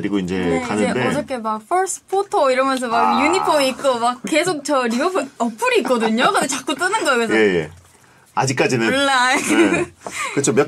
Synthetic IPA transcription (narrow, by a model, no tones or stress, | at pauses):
ɾiɡoind͡ʑe̞kanɯedeɔɾʌk͈ʰe̞mak̚pʰʌɾs͈ɯ̥pʰotʰoiɾʌmjʌns̬ʰʌmajuɲipʰomiːk̚k͈omak̚k͈e̞sʰok̚t͡ɕʌɾiʌpʰʌpʰuɾiːk͈ʌdɯɲokʌdʰot͡ɕak͈ut͈ɯnɯnɡʌkese̞jḛ | ad͡ʑik͈ad͡ʑinɯɭːak | kɯt͡ɕʰomjʌ